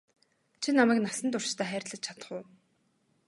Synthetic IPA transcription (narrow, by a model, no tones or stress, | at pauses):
t͡ɕʰinamæːknasə̆nt̪ʊr̥t͡ɕt̪ʰæːχæːrʲtɮə̆t͡ɕt͡ɕʰḁt̪ə̥̆χʊ̆ː